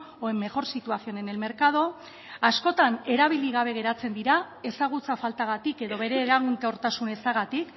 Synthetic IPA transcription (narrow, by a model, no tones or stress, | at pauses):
oemːe̞ɣo̞ɾsit̪uasio̞ne̞ne̞lme̞ɾkað̞o̞ | asko̞t̪ane̞ɾaβ̞iliɣ̞aβ̞e̞ɣ̞e̞ɾat͡se̞nd̪iɾa | e̞saɣ̞ut͡safalt̪aɣ̞at̪ike̞ðo̞βe̞ɾe̞ːlaɣunt̪eo̞ɾt̪asune̞saɣat̪ik